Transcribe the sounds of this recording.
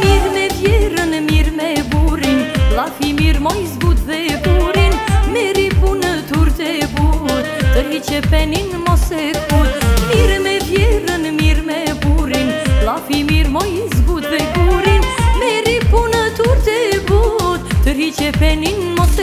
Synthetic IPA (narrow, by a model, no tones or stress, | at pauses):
miɾmɛvjɛɾənmiɾmɛbuɾinlafimiɾmɔjzbut̪vɛbuɾinmɛɾipunət̪uɾt̪ɛbut̪ːəɾhit͡ʃɛpɛninmɔsɛkbut̪miɾmɛvjɛɾənmiɾmɛbuɾinlafimiɾmɔjzbut̪vɛbuɾinmɛɾipunət̪uɾt̪ɛbut̪t̪əɾhit͡ʃɛpɛninmɔs